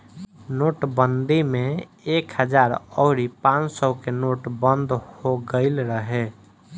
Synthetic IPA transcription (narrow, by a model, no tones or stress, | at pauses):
noːʈbənd̪imẽ | ekhəd͡ʒaːɾɔ̰ːɾipãt͡ʃsəkenoːʈbənd̪hoɡəɪlɾəɦe